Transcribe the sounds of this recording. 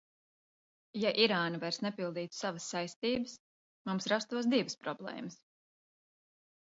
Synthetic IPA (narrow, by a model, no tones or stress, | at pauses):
jaʔiɾaːnavajɾsnɛpilˠd̪iːt̪savəsːajst̪iːbəs | mumsɾast̪uɔsd̪ivəspɾɔblˠɛ̰ːməs